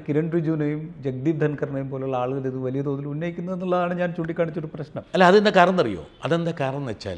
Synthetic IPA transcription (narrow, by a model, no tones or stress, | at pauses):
kiɾɐɳɖrid͡ʑuːnɐjumd͡ʑek̚d̪iːʋd̪ʱɐnkɐrɳɐjumpoːleuɭːɐaːɭuɣɐliðɨʋɐlijɐt̪oːnilunːɐjikʲːunːɐðe̞nːuɭːɐðaːɳɨɲaːnt͡ɕuːɳɖikʲːaːɳit͡ɕːoɽuprɐɕnɐmɐlːaɐðɨend̪akːaːɾrɐnɐnːɐrijo̰ːɐðend̪ɐkaːrɐɳɐnʋet͡ɕːa̰ːl